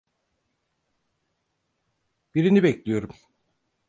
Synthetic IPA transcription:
b̥iɾinibɛclʲijo̞ɾum

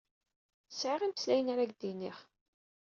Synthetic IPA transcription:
ə̥sʕəʁiməslæjənaɾæɡd̪iniχ

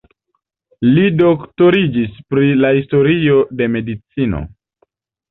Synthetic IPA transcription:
lido̞kto̞ɾid͡ʒispɾilahisto̞ɾio̞de̞me̞dit͡sino̞̰

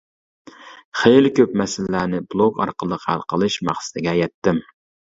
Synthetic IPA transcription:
χejlɪkʲøp̚mɛsɪllːænɪblˠoɡɑ̰ɾqəlˠəqhæ̰lˠqʰəlˠɨʃmɑ̰χsɨ̥d̪ɪɡʲɛjɛt̪ːɪm

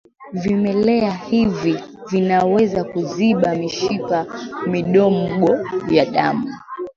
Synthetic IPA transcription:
vimɛlɛahivivinawɛzakuziɓamiʃikamiɗɔm̩ɠɔjaɗa̰mu

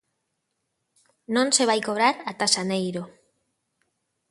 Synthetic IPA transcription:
nõ̞nse̞β̞ajkoβɾaɾat̪asanejɾo

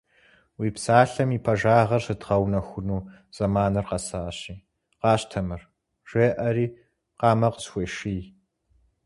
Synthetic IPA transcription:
wiːpsaːɬɐmiːpʰɐʒaːʁɐrsɨdʁɐwnɐxʷʊnuː | z̥ɐmaːnɨrqɐsaːɕiː | qɑːɕtʰɐmɨr | ʒ̥ʷeːʔɐɾiː | qɑːmɐqəsxʷeʃiː

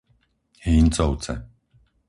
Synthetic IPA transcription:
hiːnt͡sɔwt͡sɛ̰

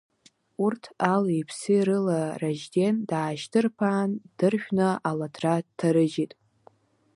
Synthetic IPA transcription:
urtʰalipʰsɨiɾɨlaraʒdendaːʒdɨrpʰaːnd̥ɨrʃʷᶣnaʔaladʰratʰaɾɨd͡ʒitʼ

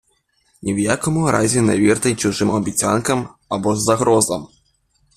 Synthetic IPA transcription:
nʲiwjakɔmʊɾʔa̰zʲina̰vʲirt̪ɐjt͡ʃuʐɨmɐbʲit͡sʲa̰nkɐmabɔzːaɣɾɔzɐm

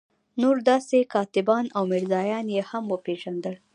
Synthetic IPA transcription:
noɾd̪ɑsekɑt̪ɪbɑnawmɪɾzɑjɑnjehamwəpeʒand̪əl

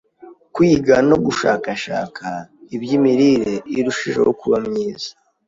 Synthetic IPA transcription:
kwiːɡano̞ɡuʃaːkaʃa̰ːkʰaibjimiɾiɾe̞iɾuʃiʒe̞̰wo̰kuβamɲiːz̥ḁ

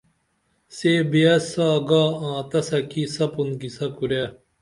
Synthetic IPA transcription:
seːbiɐsaːɡaːãːt̪ɐsɐkisɐpunkisɐkuɾa

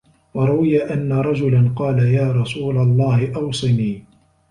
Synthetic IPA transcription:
wɑɾˤʊwɪjaʔanːaɾˤɑd͡ʒʊlanqɑːlajaːɾˤɑsuːlalˤːɑːhɪʔɑwsˤɨniː

